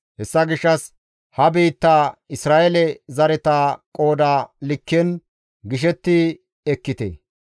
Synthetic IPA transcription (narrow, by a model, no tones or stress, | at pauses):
hɛsːɐɡɪʃːɐs | hɐbiːt̪ːaːɪsɾaːʔɛlɛzɐɾɛt̪aːkʼo̞ːd̪aːlɪkːɛn | ɡɪʃ̬ɛt̪ːi | ɛkːɪt̪ɛ̰